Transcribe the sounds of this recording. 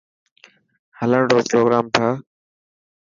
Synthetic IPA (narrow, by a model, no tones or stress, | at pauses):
hələɳɖoːpɾoːɡɾaːmt̪ʰaː